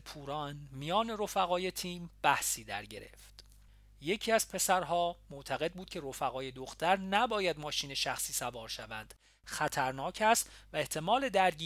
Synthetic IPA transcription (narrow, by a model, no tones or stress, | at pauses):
pʰuːɾɒːnmijɒːne̞ɾo̞fæɣɒːjet̪ʰiːmb̥æhsiːd̪æ̰ɾɟe̞̰ɾe̞̰ft̪ | je̞cʰiːæz̥pʰe̞sæɾɦɒːmoʔt̪ʰæɣe̞d̪̚buːd̪̚cʰe̞ɾo̞fæɣɒːje̞d̪o̞xt̪ʰæɾnæbɒːjæd̪mɒːʃiːne̞ʃæxsiːsævɒːɾʃævænd̪̥ | xæt̪ʰæɾnɒːcʰæst̪væeht̪ʰe̞mɒːle̞d̪æɾɟiː